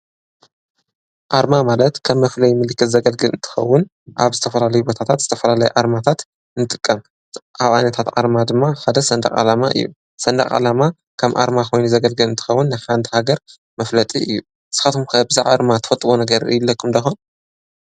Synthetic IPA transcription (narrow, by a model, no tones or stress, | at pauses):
ʔaɾmamalɐt̪kʰɐβːɐflɐjmɨlɨkːɨt̪zɐɡɐlɡɨlʔɨ̰nt̪ʰɨ̥xɐ̰wːʊn | ʔa̰βzɨt̪ʰɐfɐlalɐjubo̞t̪ʰat̪ʰat̪zɨ̥t̪ʰɐfɐlalɐjuʕaɾmat̪ʰat̪ | ɨnɨt̪ʼɨkʼːɐm | ʔaβa̰jnɐt̪ʰat̪ʕa̰ɾmad̪ɨmːaħad̪ɐsɐnd̪ɐ̰χʼa̰lamaʔɨ̰jːṵ | sɐnd̪ɐ̰xʼa̰lama | kʰɐmʔa̰ɾmakʰo̞jnuzɐɡɐlɡɨlɨnt̪ʰɨ̥xɐwːʊnːħant̪ʰihaɡɐɾ | mɐflɐt̪ʼiɨjːu | sɨ̥xat̪ʰumkʰabɨzaʕaɾmat̪ʰɐ̥fɐt̪ʼːɨbonɐɡɐɾɨ̰jɪlːɐkʰːumnd̪ɐxon